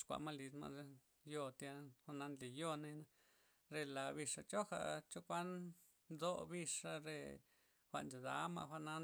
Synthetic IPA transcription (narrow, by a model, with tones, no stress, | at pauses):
ʂkʷa̰˨ʔma˦li˧d̪ma̰˧ʔe˧ | jo˧t̪ja˧xʷa˧ʔna˧nli˨jo˧na˧na˧ | ɾe˧la˨bi˧ʂa˧t͡ʃo˦xa̰˧ʔt͡ʃo˦kʷa˦n | d̪o˦bi˧ʂa˧ɾe˧ | xʷa̰˧ʔnd͡ʒa˨d̪a̰˨˦ma̰˧ʔxʷa˧na˦